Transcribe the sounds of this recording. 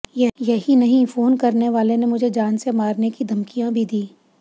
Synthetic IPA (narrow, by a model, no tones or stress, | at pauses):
jɐɦinɐɦĩfoːnkɐɾneʋaːlenemʊd͡ʒʱed͡ʒaːnsemaːɾnekid̪ʱɐmkijãbʱid̪iː